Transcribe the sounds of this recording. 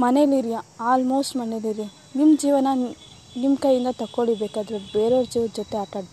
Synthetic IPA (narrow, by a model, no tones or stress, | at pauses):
mɐneliɾjaaːlmoːsʈmɐneliɾja | nimːd͡ʒiːʋɐnɐ | nimkɐjːind̪ɐt̪ɐkːoɭibeːkaːd̪ɾubeːɾoːɾd͡ʒiːʋɐd͡ʒɔt̪eaːʈaɽ